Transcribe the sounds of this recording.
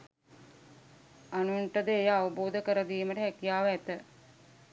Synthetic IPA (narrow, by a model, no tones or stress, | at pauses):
anueɳʈəd̪əejəaʋuboːd̪əkəɾəd̪iːməʈəɦɛkijaːʋəæt̪ə